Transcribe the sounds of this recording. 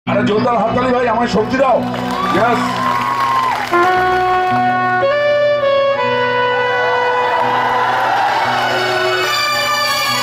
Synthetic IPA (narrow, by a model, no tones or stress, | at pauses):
aɾad͡ʑond̪aɾɦɔk̪alibʱajamaɾʃok̚t̪iɾaʊ | jɛs